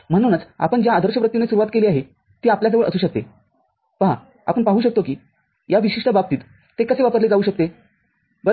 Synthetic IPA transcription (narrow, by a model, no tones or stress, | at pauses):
m̤əɽ̃unat͡sa̰pəɳd͡ʑjaːd̪ʱəɾɕəpɾəkt̪inesuɾuʋat̪̚keliːaɦe | t̪iːapljas̬əʋəɭə̰suːɕək̚t̪e | pəɦa̰ | a̰pəɳpaɦuːɕəkt̪okiː | jaʋiɕiʂʈəbab̚t̪iːt̪ː | ekəseːʋapəɾled͡zauːɕək̚t̪e | bə